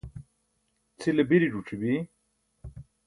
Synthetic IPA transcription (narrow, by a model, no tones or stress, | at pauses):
t͡sʰilɐbiɾiɖuʈ͡ʂʰibi